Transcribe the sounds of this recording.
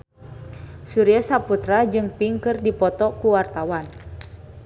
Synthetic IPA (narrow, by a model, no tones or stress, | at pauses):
suɾiasaput̪ɾad͡ʒɨŋpiŋkɨrdipɔt̪ɔkuwart̪awan